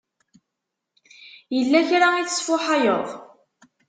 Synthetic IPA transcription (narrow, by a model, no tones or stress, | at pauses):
jəlːæçɾaiθə̥sfʊħajo̰ðˤ